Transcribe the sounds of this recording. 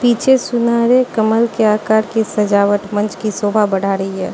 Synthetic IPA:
piːt͡ʃʰesʊnaːɾekəməlkeaːkaːɾkesɐd͡ʒaːʋəʈmə̃nt͡ʃkisoːbʱabəɽ̤aːɾəiɦɛː

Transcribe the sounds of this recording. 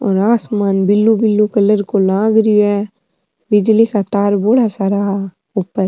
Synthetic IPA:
ɔ̰ːɾaːsmaːnbɪlːubɪlːukɐləɾkolãːɡɾioɛ | bɪd͡ʒlikat̪aːɾboːɽasaːɾa | upːəɾ

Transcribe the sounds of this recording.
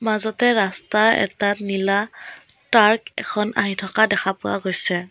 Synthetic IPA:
mazɔtɛɹastaɛ̰tatnila | taɹkɛ̰kʰɔna̰ɦitʰɔkadɛkʰapʊwa̰ɡojsɛ

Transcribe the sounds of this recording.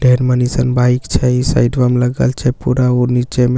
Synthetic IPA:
ɖʱeɾmənisənbaikt͡ʃʰɛisa̰jɖbəmləɡəlt͡ʃʰɛpuɾaoɾnit͡ʃɛme

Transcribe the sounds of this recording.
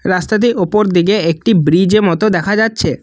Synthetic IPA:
ɾast̪at̪̬iʔopoɾd̪iɡeek̚ʈibɾid͡ʑemɔt̪od̪ɛkʰad͡ʑatːɕʰe

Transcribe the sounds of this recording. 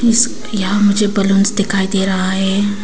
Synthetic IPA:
ɪs | jɐɦãmʊd͡ʒʱebɐlʊnzd̪ɪkʰaːid̪eːɾɐɦaɦɛː

